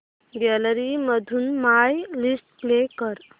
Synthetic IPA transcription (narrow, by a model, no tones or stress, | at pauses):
ɡɛləɾiməd̪ʱunmajlisʈplekəɾ